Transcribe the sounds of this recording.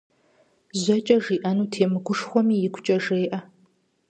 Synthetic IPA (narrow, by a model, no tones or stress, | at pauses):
zʷɐt͡ʃʼɐʐiːʔɐnuːtʰeːmɨɡʷʊʂxʷɔmiːjɪɡʷʊt͡ʃʼɐʒeːʔɐ